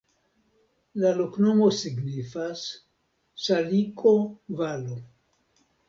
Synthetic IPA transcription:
lalokno̞mo̞siɡnifasː | alikʰovalo

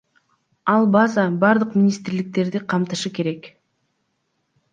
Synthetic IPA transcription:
ɑlˠbɑzɑbɑɾd̪ɯqmʲɪnʲist̪ɾlik̚t̪e̞ɾd̪iqʰɑmt̪ɯʃɯke̞ɾe̞k

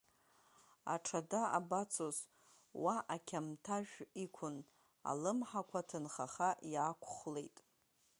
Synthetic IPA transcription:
a̰ʈ͡ʂʰadaabat͡sʰoz | waʔakʲʰamtʰaʒᶣikʷʰʊn | a̰lɨmħakʷʰatʰɨnχaχaʔjaːkʷʰχle̞jtʼ

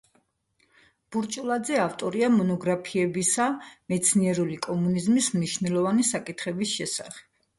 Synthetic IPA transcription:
b̥uɾt͡ʃʼulˠad̪zɛaft̪ʼɔɾiamɔnɔɡɾapʰiɛbisamɛt̪sʰniɛɾulikʼɔmunizmismniʃnɛlˠɔvanisakʼit̪ʰχɛbisʃɛsaχɛ̥b̥̚

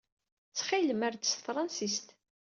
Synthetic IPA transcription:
t͡sːχiləmæɾd̪əsθɾˤɑnsist̪

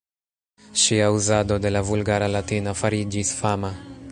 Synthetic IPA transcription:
ʃiauzad̪od̪e̞lavulɡaɾalat̪inafaɾid͡ʒisfama

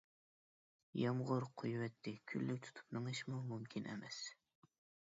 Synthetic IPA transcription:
jɑmʁʊɾqʰojwɛt̪ʰːɪkʲʰylːyk̚ʲt̪ʰu̥t̪ʰu̥pnɨŋɨʃmumumkʲʰinʔḛmɛs

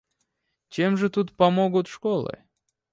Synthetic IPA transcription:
t͡ɕemʐɨt̪ut̪pɐmoɡʊt̪ʂkolˠɨ̰

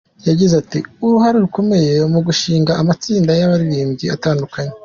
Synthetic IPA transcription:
jaɟizatiuɾuhaɾeɾuko̞me̞je̞muɡuʃiːŋɡaʔamat͡siːndajaβaɾiɾiːmɟia̰taːndukaɲe

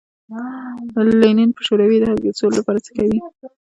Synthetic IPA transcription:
lanenpə̥ʃoɾawid̪əhaɡet͡sollapɑɾat͡sə̥kawi

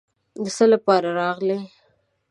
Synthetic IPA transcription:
d̪əsəlapɑɾaɾɑɣle

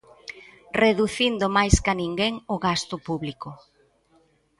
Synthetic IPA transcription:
reðuθind̪ʊmajskanĩŋɡeŋoɣast̪ʊpuβlikʊ

